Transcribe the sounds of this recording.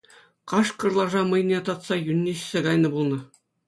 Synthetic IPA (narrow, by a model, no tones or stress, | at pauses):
kɑʂkɤ̆rlˠɑʐɑmɤ̆jnʲet̪ɑt̪sɑjunʲːeɕsʲeɡɑjnɤ̆bulˠnɤ̆